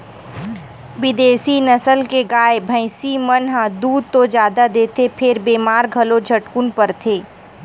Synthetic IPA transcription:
bɪd̪eːsinɐsəlkeɡaːebʱə̃ɪsimənɦãd̪uːd̪̚t̪od͡ʒjaːd̪ad̪eːt̪ʰepʰɪɾbeːmaːɾɡʱɐlod͡ʒʱɐʈkʊnpəɾt̪ʰeː

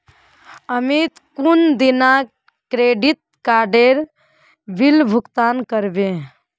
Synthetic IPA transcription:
əmit̪kund̪ina | kɾeɖit̪̚kaːɖeɾ | bilbʱʊkt̪aːnkəɾbẽ

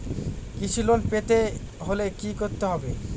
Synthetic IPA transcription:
kit͡ɕʰilonpet̪e | ɦolekikoɾt̪eɦɔbe

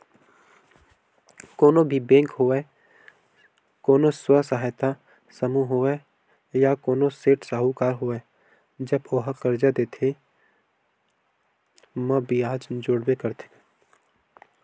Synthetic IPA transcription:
koːnobʱibẽːŋkɦoɛ | koːnoswəsəɦajt̪a | səmuɦoe | jakoːnoseːʈsaːɦukaːɾɦoɛː | d͡ʒəboɦkəɾd͡ʒad̪eːt̪ʰe | mə̃bʱiaːd͡ʒd͡ʒoːɽwekəɾt̪ʰe̥

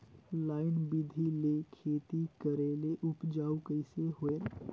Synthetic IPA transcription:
laːɪnbɪd̪ʱilekʰeːt̪ikəɾeleʔʊpd͡ʒaːukəɪseɦoe

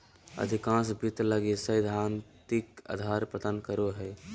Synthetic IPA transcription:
ə̰d̪ʱikãsbit̪ləɡesəjd̪ʱant̪ika̰d̪ʱaɾpət̪ənkəɾoɦəː

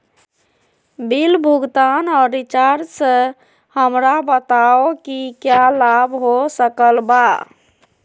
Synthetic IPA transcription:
bilbʱuɡt̪anɔɾːit͡ʃaɾsə̃ | həmɾabət̪aokikjalabɦosəkəlba

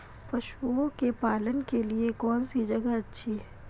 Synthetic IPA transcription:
pɐʃuõkepaːlənkeliekɔːnsid͡ʒɐɡaɐtːʃʰiɦɛ

